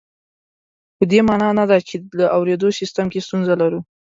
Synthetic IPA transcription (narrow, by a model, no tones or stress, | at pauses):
pəd̪emɑnɑnad̪at͡ʃelaʔawɾed̪osist̪əmkest̪unzalaɾu